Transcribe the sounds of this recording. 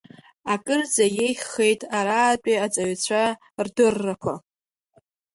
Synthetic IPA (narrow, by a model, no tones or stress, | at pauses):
akʼɨrd͡zajejχʲχe̞jtʼaɾaːtʷʼiat͡sʼaɥt͡ɕʷʰa | rdɨrːakʷʰa